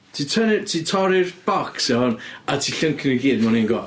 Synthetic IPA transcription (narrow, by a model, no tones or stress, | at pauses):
tʰiːtʰənɪtʰiːtʰɔɾɪrb̥ɔksɛhɔnatʰiːɬəŋkʰɪniɡiːd̚manɪnɡɔ